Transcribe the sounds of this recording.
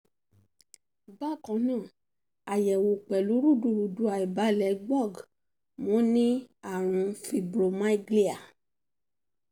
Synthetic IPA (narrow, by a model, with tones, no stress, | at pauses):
ba˦˨kã˨˧nãː˦˨ | a˨jɛ˨wo˨k͡pɛ˨lu˨˦ɾu˦˨du˧˨ɾu˨du˧˦a˨i˨ba˨˦lɛ˧˨ɡ͡bɔ˦˨ɡ | mɔ̃˨˦nĩ˦a˦˨ɾ̃ũ˧fi˨bɾo˨mã˦i˦ɡli˦a˨